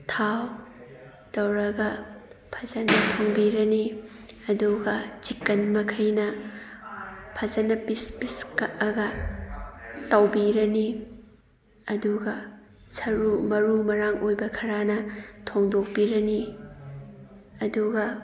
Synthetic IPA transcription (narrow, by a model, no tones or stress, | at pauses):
tʰaw | tɐwɾɐɡɐpʰɐzɐnɐtʰoŋbiɾɐniɐduɡɐt͡ʃikːɐnmɐkʰɐjnɐ | pʰɐzɐnɐpispiskɐʔɐɡɐ | tɐwbiɾɐni | ɐduɡɐ | sɐɾumɐɾumɐɾaŋojbɐkʰɐɾanɐtʰoŋdok̚piɾɐni | ɐduɡɐ